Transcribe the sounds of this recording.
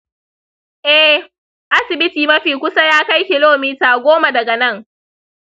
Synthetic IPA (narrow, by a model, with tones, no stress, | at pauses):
ʔɛ˦h | ʔa˦sɪ˨bɪ˦tiː˨mɐ˦ɸiː˨kʷʊ˦sa˦jaː˦ka˦jkʲɪ˨loː˦miː˦taː˨ɡʷoː˦ma˨dɐ˨ɡɐ˨nɐ˦˨ŋ